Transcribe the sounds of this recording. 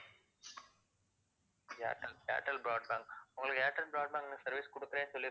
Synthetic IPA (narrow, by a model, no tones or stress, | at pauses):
ja̰ːʈːɐlja̰ːʈːɐlbɪɾaːɖ̚baːŋɡʊŋɡɐɭɯkːaːʈːɐlbɾaːɖbaːŋɡnɯsɐɾʋiskɔɽɯkːɪɾeːnsɔlːɪɾ